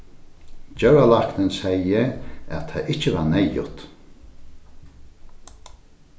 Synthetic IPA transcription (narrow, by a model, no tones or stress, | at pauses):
d͡ʒœwalaknɪnsɛjɪæ̰t̪ʰajɪt͡ʃɪvaɾnɛjʊ̰t̪